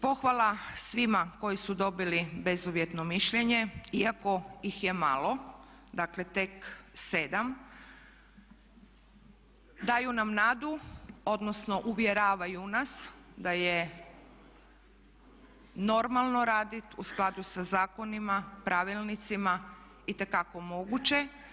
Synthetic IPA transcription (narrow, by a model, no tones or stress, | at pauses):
po̞xʋalˠasʋimako̞jisud̪o̞bilibe̞zuʋjet̪no̞miʃʎe̞ɲe̞iako̞jixje̞ma̰lo̞ | d̪akle̞t̪e̞kse̞d̪am | d̪aːjunamnaːd̪uo̞d̪no̞sno̞ʔuʋjeɾaːʋajunasd̪aje | no̞ɾmalˠno̞ɾaːd̪it̪usklˠad̪usazaːko̞nimapɾʔaʋilˠnit̪sima | it̪e̞kako̞mo̞ɡut͡ɕe̞